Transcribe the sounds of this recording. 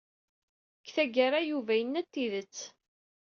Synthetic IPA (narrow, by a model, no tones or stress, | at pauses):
kːθæɡaɾajuvæjənːæt̪ːiðət͡sː